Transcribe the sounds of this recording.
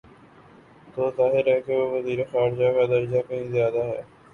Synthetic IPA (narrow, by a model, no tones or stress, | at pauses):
t̪oːzaːɦɪɾɦɛkeʋoːʋəziːɾexaːɾd͡ʒakad̪ɐɾd͡ʒakɐɦĩzjaːd̪aɦɛː